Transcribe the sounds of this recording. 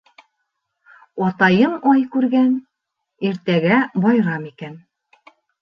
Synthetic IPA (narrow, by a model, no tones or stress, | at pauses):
ɒt̪ɑjɤmɑjkʉɾɡæn | iɾt̪æɡæbɑjɾɑmikæn